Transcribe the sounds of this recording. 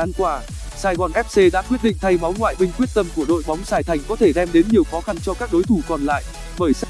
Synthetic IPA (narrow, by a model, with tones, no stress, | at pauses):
aː˧nkwaː˧˩ | saː˧˩jɣɔː˨˩nʔɛ˦˥p̚se˧ɗa̰ː˧˥kwi˦˥ət̚ɗḭ˧˨ŋt̪ʰa˧jma˨˦wnŋwa̰ː˧˨jɓï˧ŋ̟kwi˦˥ət̚t̪ə˧mku˧˩əɗo̰˧˨jɓɔ˨˦wŋ͡msaː˨˧˩jt̪ʰa˨˩jŋ̟kɔ˨˦t̪ʰe˧˩ɗɛ˧mɗe˨˦nɲi˨˩əwxɔ˨˦xa˧nt͡ɕɔ˧kaː˦˥k̚ɗo˨˦jt̪ʰu˧˩kɔ˨˩nla̰ː˧˨j | ɓəː˧˩js